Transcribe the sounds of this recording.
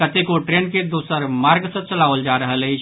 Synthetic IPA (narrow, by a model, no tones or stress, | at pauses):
kət̪ekoʈɾenked̪osəɾmaɾɡsə̃t͡ʃəlaʋəld͡ʒaɾəɦələɪt͡ʃʰ